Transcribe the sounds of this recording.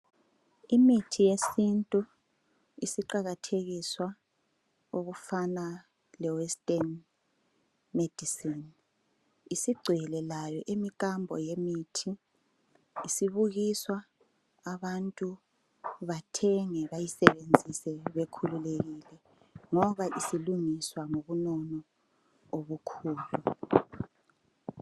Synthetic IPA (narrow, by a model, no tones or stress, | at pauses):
imitʰijesintʼu | isiǃaɣatʰeɣiswa | oɣufana | lɛwɛstʼɛn | med̥ʱisin | isiɡ͡ǀʱɛlɛlajɔʔemikʼambʱɔ̰jemitʰi | siβuɣiswaː | βantʼu | βatʰɛŋɛβajisɛβend͡zʱisɛβekʰululeɣilɛ | ŋɔβaʔisiluŋiswaŋoβunɔnɔ | oβukʰuːlu